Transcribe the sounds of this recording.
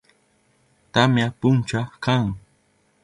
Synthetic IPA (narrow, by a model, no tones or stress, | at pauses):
t̪amjapʊnt͡ʃakaŋ